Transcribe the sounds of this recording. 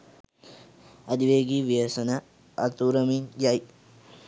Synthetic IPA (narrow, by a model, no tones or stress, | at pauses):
ɐd̪iʋeːɡiʋijɐsɐnɐ | ɐt̪uːɾɐmid͡ʒaj